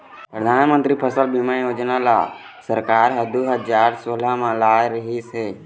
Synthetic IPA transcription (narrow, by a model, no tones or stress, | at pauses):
pɾəd̪ʱaːnmə̃nt̪ɾipʰəsəlbimajoːd͡ʒnala̰ | səɾkaːɾɦəd̪uɦəd͡ʒaːɾsoːlamãlaːjɾəɦise